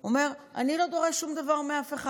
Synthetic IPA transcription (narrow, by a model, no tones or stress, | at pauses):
ome̞ʁa̰nilo̞d̪o̞ʁeʃʃumd̪avaʁmeafeχa